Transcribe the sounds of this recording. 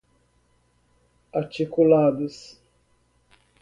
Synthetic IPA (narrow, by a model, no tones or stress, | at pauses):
aɾt͡ʃikulad̪ʊs